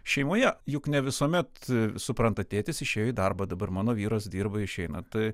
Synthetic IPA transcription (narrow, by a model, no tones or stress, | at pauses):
ʃʲɛɪmoːjɛjʊknʲɛʋʲɪsuɔmʲɛt̪sʊpɾɐnt̪ɐt̪ʲeːt̪ʲɪsɪʃʲeːjoid̪ɐrbɐd̪ɐbɐrmɑːnoːʋʲiːɾoːsd̪ʲiːrbɐɪʃʲɛɪnɐt̪ɐɪ